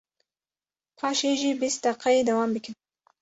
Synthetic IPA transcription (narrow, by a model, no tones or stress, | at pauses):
pʰɑʃeʒibist̪aqajed̪awɑmbiki